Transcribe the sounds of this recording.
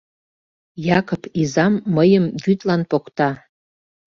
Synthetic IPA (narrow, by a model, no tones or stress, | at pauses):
jɑkopizɑmːəjəmvyt̪lɑnpokt̪ɑ